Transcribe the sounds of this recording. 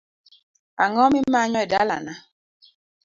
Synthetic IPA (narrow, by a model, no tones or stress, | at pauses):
aŋɔmim̩maɲɔɛdala̰na